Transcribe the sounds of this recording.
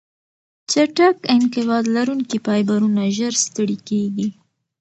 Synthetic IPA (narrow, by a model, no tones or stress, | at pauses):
t͡ʃaʈakɪnqɪbɑd̪laɾuŋkipɑjbaɾunaʒəɾst̪əɽikeɡi